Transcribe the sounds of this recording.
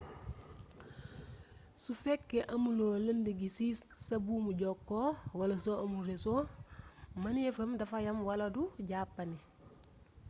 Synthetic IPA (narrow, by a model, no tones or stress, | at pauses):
sufɛkːɛʔɐmuloːlɐndiɡisi | sɐbuːmuɟɔkːɔːwɐlɐsoʔɐmurɛso | mɐnɛfɐmdɐfɐjɐmwɐlɐduɟaːpːɐni